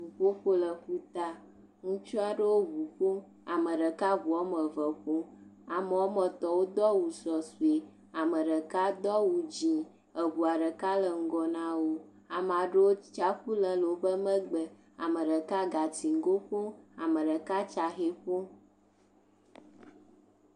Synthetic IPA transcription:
vu˨ɸo˦ɸo˦lə˨ɸu˦t̪a˦ | ŋũ˦t͡ʃu˦a˨ɖə˦wo˦ɡu˨ɸo˦ | a˨mə̃˨ɖə˨ka˦βu˨ɔ˦mə˨və˨ɸo˦ | a˨mə˨wɔ˦mə˨t̪ɔ˨wo˦d̪ɔ˦wu˨sɔ˨su˨e˨ | a˨mə˨ɖə˨ka˦d̪ɔ˦wu˨d͡ʒĩ˨ | ə˨βu˨a˨ɖə˨ka˦lə˨ŋ̩˦ɡɔ˨nã˦wo˦ | a˨m˨a˨ɖə˦wo˦t͡ʃa˦ɸu˦lə˦lo˨o˨˦bə˦mə̃˦ɡ͡bə˨ | a̰˨mə˨ɖə˨ka˦ɡa˨ti˨ŋ˦ɡo˦ɸo˦a˨mə˨ɖə˨ka˦t͡ʃa˨xe˦ɸo˦

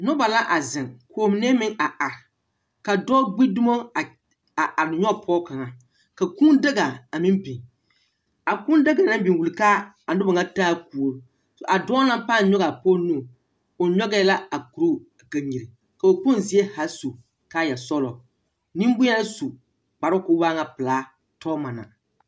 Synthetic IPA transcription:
nʊ˦ba˨la˦ʔa˨zɪ˨ŋkʰoː˨˦˨m˨ne˦mɪ˦ŋʔa˨ʔa˨ | ka˨dɔː˦ɡ͡bi˦dʊ˦mo˦˨ | a˨ʔa˨ɾɲɔ˦˨pʰɔː˦ka˨ŋa˨ | ka˨ku˦ndɪ˦ɡa˨a˨mɪ˦nbi˨ŋ | a˨kʊ˦nda˦ɡa˨na˦mbi˨wu˨lka˦ | a˨n˦dʊ˦ba˨ŋa˦taː˦ku˨o˦ | sɔ˨ʔa˨dɔ˦la˦m˦paː˦˨˦ɲɔ˦ɣa˨poː˦nu˦˨ | o˨ɲɔ˦ɡɛ˦la˦a˨ku˨ɾo˦a˨ka˨ɲi˨ɾi˨ | ka˨o˨kʊ˦nzi˨˦e˦ha˨su˨ | ka˦˨ja˨sɔ˦lɔ˨ | ni˦mbʊ˦ja˦lsu˨ | k͡pa˨ɾɔ˦kʊ˦waː˦ŋa˨pɨ˨laː˦ | tʰɔː˦ma˨na̰˨

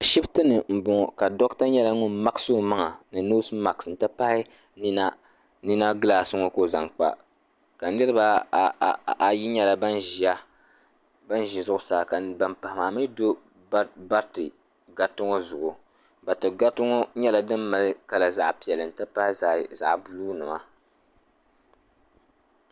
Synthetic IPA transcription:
ka˨ʃi˦btɨ˦nɨ˨m̩˨bʊ˨ŋɔ˨ka˨dɔ˦kta˦ɲɛ˦la˦ŋʊ˦nma˦kso˦ma˦ŋa˨nɨ˨no˦sma˨ksn̩˨tɨ˦pa˦hɪ˦ | ni˦na˦ | ni˦na˦ɡɨ˦la˨sɨ˦ŋo˦ko˦za˨ŋk͡pa̰˨ | ka˨n˦nɨ˦ɾɨ˦ba˦˨ | a˨ji˦ɲɛ˦la˨ba˦nʒi˨a˦ | ba˦nʒi˨zʊ˦ʔʊ˦saː˨ka˨ba˨mpa˨hɪ˨ma˨mi˦do˦ | ba˦tɨ˨ | ɡa˨tɨ˦ŋo˦zʊ˨ʔʊ˨ | ba˨tɨ˨ɡa˦tʊ˦ŋo˦ɲɛ˦la˨dɨ˦mːa˨lɨ˦ka˨la˨za˨ʔpi˨ɛ˨lɨ˨n̩˨tɨ˦pa˦hɪ˦za˨za̰˨ʔbu˨lu˦nɨ˨ma˦

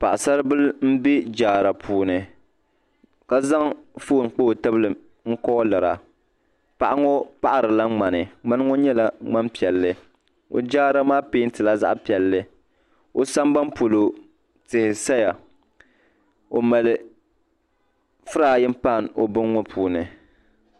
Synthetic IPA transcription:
pa̰˨ʔsa˦ɾɨ˦bɨ˦lm̩˦bi˦d͡ʒaː˨ɾa˨pʰuː˨nɨ˨ | ka˦za˦ŋfoː˦˨n˨k͡po˦˨tɨ˦bɨ˦lɨ˨ | ŋ̩˦kɔ˦lɨ˨ɾa̰˨ | pa˨ʔa˦ŋo˦pa˦ʔa˨ɾɨ˨la˦ŋ͡ma˨nɨ˨ŋ͡ma˦n˦ŋo˦ɲɛ˦la˦ŋ͡ma˦mpi˨ɛ˨lːɨ˦ | o̰˨d͡ʒaː˦ɾa˦maː˦peː˦n̩˦tɨ˨la˦za̰˦ʔpi˨ɛ˨lːɨ˦ | o˦sa˦mba˦mpo˨lo˨ | tɪ˨hɪ˨sa˦ja˨ | o˨ma˨lɨ˨ | fɨ˦ɾaː˨jɪ˦m˦pa˦˨n˨o̰˦bɨ˦ŋː˦ɔ˦pʰuː˨nɨ˨

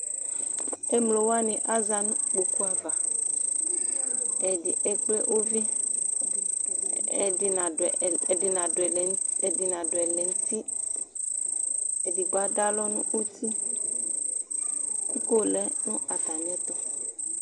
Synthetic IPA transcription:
e˦mlo˨wa˦nĩ˨ʔa˦za˨nũ˦k͡po˨ku˦a˨va˨ | e˨di˨ʔɛ˨k͡ple˦ʔo˦vi˦˨ | i˨na˨i˨na˨ɛ˨ŋ˦˨ | di˨nã˨do˨ɛ˨lɛ˨ŋ̩˦t̪i˦ | e˨di˨ɡ͡ba˨da˦lɔ˦nṵ̃˦u˦t̪i˦ | ku˦ko˦lɛ˦nũ˦a˨t̪a˨mĩ˨˦ɛ˦t̪ɔ˨

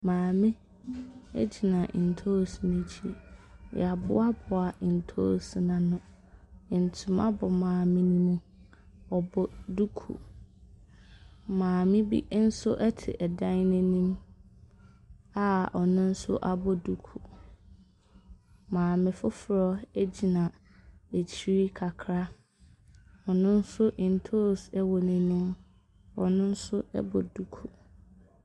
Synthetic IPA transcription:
mãː˨mɪ̃˦ | ḛ˦d͡ʑi˨nã˨ʔn̩˨tʰo˦˨si˨nĩ˦t͡ɕʰi˦j̰a˨bʊ̰˦a˦bʊ˨a˨n̩˨tʰo˦˨si˨nã˨nʊ̃˦ | ɪ˨n̩˨tʰʊ̃˨˦ma̰˦bɔ˨mãː˨mɪ̃˦nĩ˦mũ˦ | ɔ˨bɔ˦du˦kʰṵ˨ | mãː˨mɪ̃˦bḭ˦n̩˦sʊ˦ʔɛ˦tʰɪ̰˨ʔɛ˨dã˦nnʊ̃˦nĩ˦m | a˦ɔ˨nʊ̃˦n̩˦sʊ̰˦ʔa˦bɔ˦du˦kʰu˨ | mãː˨mɪ̃˨fʊ˦fɾɔ˦ɛ˦d͡ʑi˨nã˨ | e˨t͡ɕʰi˦ɾi˦kʰa˨kʰɾa˦ | ɔ˨nʊ̃˦n̩˦sʊ˦ʔɪ̃˨n̩˨tʰo˦sɛ˦wɔ˨nɛ̃˨nĩ˦m | ɔ˨nʊ̃˦n̩˦sʊ˦ɛ̰˦bɔ˨du˦kʰu˨

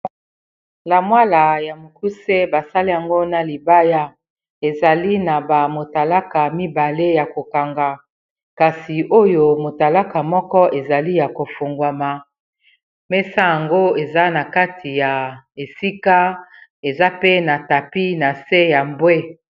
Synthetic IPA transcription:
la˨mwa˦la˨ja˨mo˨ku˦se˦ba˨sa˦li˦ja˨ŋɡo˦na˨li˨ba˦ja˦ | e˨za˨li˦na˨ba˨mo˨ta˨la˦ka˨mi˦ba˨le˦ja˨ko˨ka˨ŋɡa˨ | ka˨si˨ʔo˦jo˦mo˨ta˨la˦ka˨mɔ˦kɔ˦e˨za˨li˦ja˨ko˨fo˨ŋɡwa˨ma˨ | mɛ˦sa˦ja˨ŋɡo˦e˨za˦na˨ka˦ti˨ja˨e˨si˦ka˦e˨za˦pe˦na˨ta˨pi˦na˨se˦ja˨mbwe˦

